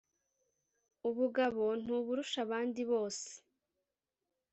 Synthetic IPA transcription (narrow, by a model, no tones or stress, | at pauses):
uβuɡaβo̞n̥uβuɾuʃaβaːndiβo̞ːse̥